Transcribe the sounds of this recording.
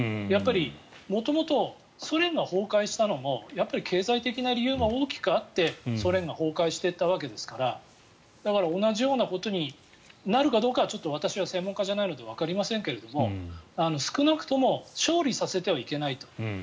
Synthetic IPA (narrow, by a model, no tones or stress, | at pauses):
japːaɾʲimo̞t̪o̞mo̞t̪o̞ | so̞ɾẽ̞ŋɡaho̞ːkaiɕi̥t̪ano̞mo̞japːaɾʲikʰe̞ːzait̪e̞kʲinaɾʲijɯ̟ːɡao̞ːkʲi̥kɯat̪ːe̞so̞ɾẽ̞ŋɡaho̞ːkaiɕi̥t̪e̞t̪ːaβ̞ak̬e̞d̪e̞sɨ̥kaɾa | d̪̥akaɾao̞naʑijo̞ːnako̞t̪o̞ɲ̟i | naɾɯ̟kad̪o̞ːkaβat͡ɕo̞t̪ːo̞β̞at̪aɕiβasẽ̞mːo̞ŋkaʑanaino̞d̪e̞β̞akaɾʲimasẽ̞ŋke̞ɾe̞d̪o̞mo̞ano̞sɨ̥kɯ̟nakɯ̟̥t̪o̞mo̞ɕo̞ːɾʲisase̞t̪e̞βaike̞nait̪o̞̥